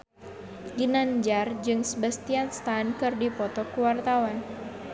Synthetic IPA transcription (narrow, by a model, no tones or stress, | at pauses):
ɡinaɲd͡ʒard͡ʒɨŋsəbast̪ianst̪ankɨrdipɔt̪ɔkuwart̪awan